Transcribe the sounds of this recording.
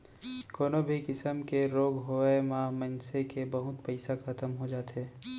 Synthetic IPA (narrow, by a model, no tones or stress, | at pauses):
koːnobʱikɪsəmkeɾoːɡɦoemãmənsekebɐɦʊt̪pɐɪsakʰɐt̪əmɦod͡ʒaːt̪eː